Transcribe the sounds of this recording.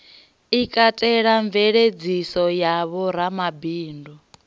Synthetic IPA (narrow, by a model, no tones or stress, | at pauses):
ikʼatʼɛɺaɱvɛɺed͡zisɔjaβɔɾamabiːndɔ